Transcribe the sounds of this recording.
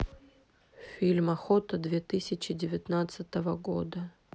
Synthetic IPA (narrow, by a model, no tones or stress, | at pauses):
fʲilʲmɐxot̪əd̪vʲet̪ɨsʲɪt͡ɕɪdʲɪvʲɪt̪nat̪sɨt̪əvəɡo̰d̪ə